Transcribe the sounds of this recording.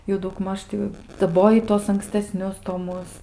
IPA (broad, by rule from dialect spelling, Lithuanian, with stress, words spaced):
jɛʊ dɐʊˈɡmɐʃ tʲɪ dɐˈboːjɪ ˈtuɔs ɐŋksʲtʲɛˈsʲnʲʊs toːˈmʊs